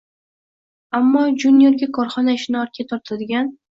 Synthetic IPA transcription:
amːɒd͡ʒunjeɾɡʲakʰɒɾχɒnaɪʃɪnɒɾkʲʰat̪ʰɒɾt̪ʰad̪ɪɡʲan

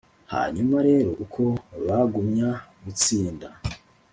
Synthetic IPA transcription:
ha̰ːɲumaɾe̞ːɾo̞ʔukʰo̞βaɡumɲaɡut͡siːnda

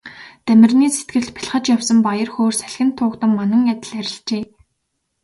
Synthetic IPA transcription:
t̪æmʲɪ̆rniːset̪ɡɘ̆t̪pʰi̥ɮχə̆t͡ɕjawsə̆mpajə̆rxoːrsæɮxʲɪ̆nt̪ʰːʊːkt̪ə̆mːanə̆ŋjat̪ʲɪ̆ɮæɾʲɪ̆ɬt͡ɕeː

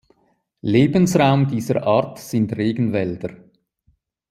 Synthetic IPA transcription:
leːbənsʁaʊmdiːzəɾʔaːʁtsɪntʁeːɡən̩vɛldəɾ

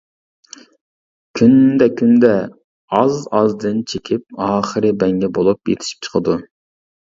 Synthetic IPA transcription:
kʲʰynd̪ɛkʲʰynd̪ɛ | ɑzɑzd̪ɨnt͡ʃʰekʲʰip̚ɑːχəɾɨbɛŋɡʲɛbolˠupjḛt̪ʰɪ̥ʃi̥p̚t͡ʃʰə̥qʰəd̪u

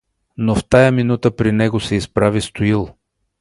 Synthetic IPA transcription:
noft̪ajəminut̪əpɾinɛɡosɛispɾavist̪ʊilˠ

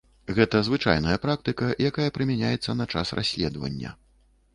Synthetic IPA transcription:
ɣɛt̪ɐzvɨt͡ʂa̰jnɐjɐpɾak̚t̪ɨkɐjakajɐpɾɨmʲanʲajɛt̪sːɐnɐt͡ʂa̰srʔa̰sʲlʲɛd̪vɐ̰nʲːɐ̰

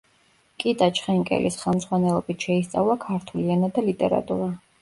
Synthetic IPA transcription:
kʼit̪ʼat͡ʃʰχɛŋkʼɛ̰lḭsχɛlˠmz̥ʁwanɛlˠɔbit̪ʰʃɛist̪sʼa̰vlˠakʰaɾt̪ʰulianad̪alit̪ʼɛ̰ɾa̰t̪ʼuɾa

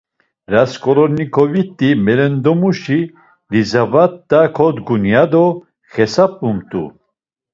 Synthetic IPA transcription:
ɾaskʼɔɾɔɾnikʰɔvit̪ʼːimɛɾɛnd̪ɔmuʃi | lizavat̪ːakʰɔd̪ɡunjad̪ɔ | χɛsap̚ʼumt̪ʼṵ

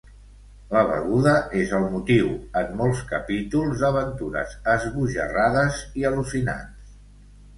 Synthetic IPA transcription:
ləβ̞ə̰ɣuðəʔezəlˠmut̪iwəmːɔlˠskəpit̪ulˠzðəβənt̪uɾə̰zəzɣuʒə̰raðəziəlusina̰ns

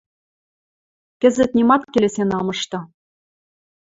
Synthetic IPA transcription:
kɘ̆zɘ̆t̪nʲimɑt̪kelesenɑmɤ̆ʃt̪ɤ̆

